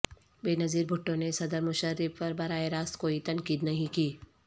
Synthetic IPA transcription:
beːnɐziːɾbʱʊʈːõnesɐd̪əɾmʊʃəɾɪfpɐɾbɐɾaːeɾaːst̪koːit̪ɐnkiːd̪nɐɦĩkiː

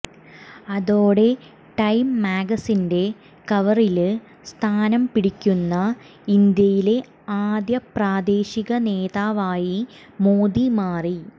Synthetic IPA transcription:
ɐðo̞ːɽe̞ | ʈɐjmːaːɡɐsinde̞ | kɐʋɐril | st̪ʰaːnɐmpiɽikʲːunːɐ | ind̪jɐjile̞ | aːd̪jɐpraːd̪e̞ːɕiɣɐne̞ːðaːʋaːji | moːd̪imaːri

